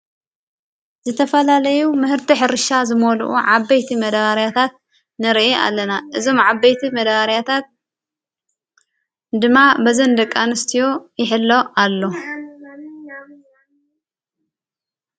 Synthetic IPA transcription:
zɨt̪ʰɐfɐlalɐjumɨhɨɾt̪iħɨɾɨʃazɨmolṵʔṵʕabːɐjt̪ʰimɐd̪aɣaɾijat̪ʰat̪̚ | nɨɾiʔeʔa̰lːɐnaʔɨzo̞mʕabɐjt̪ʰimɐd̪aɣaɾijat̪ʰat̪̚ | d̪ɨmːabɐzɐnd̪ɐkʼːanɨst̪ʰijo̞jɪħɨlːo̞ʔalːo̞

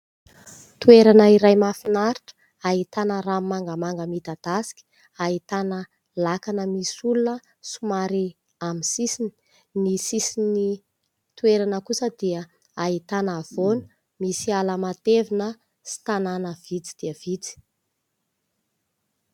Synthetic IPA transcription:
t̪ueɾanəiɾajmafinaɾiʈ͡ʂə̥ | aɦit̪anəɾamːaŋɡəmaŋɡəmit̪ad̪̥asi̥kʲi̥ | ait̪anə | lakanəmisulunə | sumaɾi | amisisini̥ | nisisini | t̪ueɾanəkusəd̪iə | ait̪anav̥onə̥ | misialamat̪evinə | si̥t̪ananəv̥it͡si̥d̪̥iəvit͡si̥

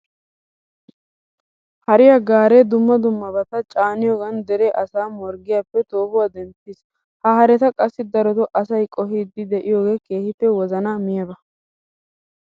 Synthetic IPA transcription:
hɐɾɪjaɡaːɾeːd̪ʊmːɐd̪ʊmːɐbɐt̪ɐt͡ʃʼaːnɪjoːɡɐnd̪ɛɾɛʔɐsaːmɔɾɡɪjaːpːɛt̪o̞ːhʊwad̪ɛmpːɪs | hɐɦɐɾɛt̪ɐkʼɐsːɪd̪ɐɾɔt̪ɔʔɐsɐjkʼɔɦiːd̪ːɪd̪ɛʔɪjoːɡe̞ːke̞ːhɪpːɛwɔzɐnamɪjɐbɐ

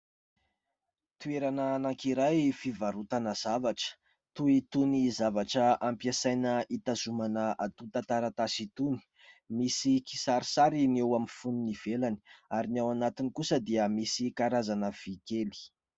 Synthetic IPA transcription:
t̪ueɾananaŋkiɾajfivaɾut̪anəz̥avaʈ͡ʂə̥ | t̪uit̪unizavaʈ͡ʂəampjasajnəʔit̪az̥umanəʔat̪ut̪at̪aɾat̪asit̪uni̥ | misiki̥saɾi̥saɾinewamifununiv̥elani̥aɾinawanat̪inikusəd̪iəmisikaɾazanəv̥ikeli̥

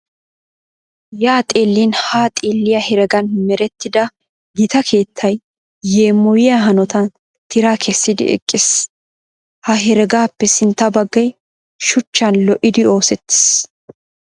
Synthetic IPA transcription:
jaːt̪ʼeːlːinhaːt̪ʼeːlːɪjɐhɛɾɛɡɐnmɛɾɛt̪ːɪd̪ɐ | ɡɪt̪ɐkʰe̞ːt̪ʰːɐjː | eːmːɔwɪjɐɦɐnɔt̪ɐn | t̪ɪɾaːkʰɛsːɪd̪ɪ̰ʔɛ̰kʼːɪs | hɐɦɛɾɛɡaːpːɛsɪnt̪ːɐbɐɡːɐj | ʃʊt͡ʃːɐnlɔʔɪd̪ɪo̞ːsɛt̪ːɪ̥s

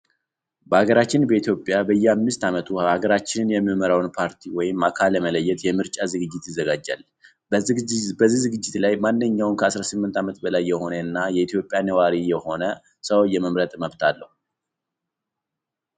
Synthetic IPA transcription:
bəaɡəɾat͡ʃːɪnbəit̪jo̞pʼjabəjːɛamːɨst̪ʰamət̪ʰuhaɡəɾat͡ʃːɪnɨnjɛmːiməɾawnpʰaɾt̪ʰiwɔjɪmːakʰaləmələjːɛt̪jɛmɨɾt͡ʃʼazɨɡɨd͡ʒːɪt̪jɪzːəɡad͡ʒːa̰l | bəbəzːizɨɡɨd͡ʒːɪt̪lajmanːɨɲːawnkʰəasɾasɨmːɨnt̪ʰamət̪bəlajːɛho̞nəɨnːajɛit̪ʰjo̞pʼjanəwaɾijɛho̞nə | səwjːɛməmɾət̪ʼməβt̪ʰalːəhu

